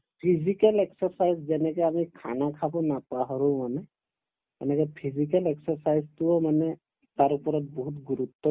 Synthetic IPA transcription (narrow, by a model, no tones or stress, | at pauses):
pʰizikalɛksɔɹsajzzɛnɛkɛamikʰa̰nakʰabɔnapaɦɔɹũmanɛ | ɛnɛkɔpʰizikalɛksɔɹsajztuɔmanɛ | taɹupɔɹɔt̚bɔɦutɡuɾutːɔ